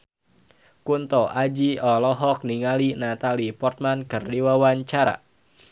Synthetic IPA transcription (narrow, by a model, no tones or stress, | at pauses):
kunt̪ɔʔad͡ʒiɔlɔɦɔk̚niŋalinat̪alipɔrt̪̚mankɨrdiwawaɲt͡ʃaɾa̰